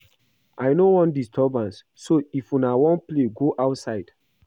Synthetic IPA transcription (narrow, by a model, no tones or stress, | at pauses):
ʔajnowɔ̃ndistʰɔbãnsːoifũnawɔ̃npleɡoʔaʊtsaɪd̥